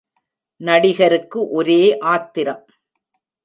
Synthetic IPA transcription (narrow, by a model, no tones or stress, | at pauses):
nɐɽɪɣɐɾɯkːɯʔɔɾeːʔaːt̪ːɪɾɐm